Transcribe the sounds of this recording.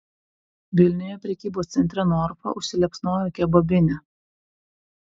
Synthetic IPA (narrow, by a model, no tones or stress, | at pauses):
ʋʲɪlʲnʲɪjopʲɾʲɛkʲiːboːst̪sʲɛnʲt̪ʲɾʲɛnɔːɾfɐ̰ʔʊʃʲsʲɪlʲɛpsnoːjokʲɛbobʲɪnʲɛ